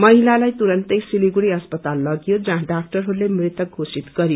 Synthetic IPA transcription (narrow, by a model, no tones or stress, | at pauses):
mʌɦilalajt̪uɾʌnt̪ʌjsiliɡuɽiʌspʌt̪alːʌɡijod͡zʌ̃ɦãɖak̚ʈʌrɦoɾulemrit̪ʌɡʱosit̪ɡʌɾijo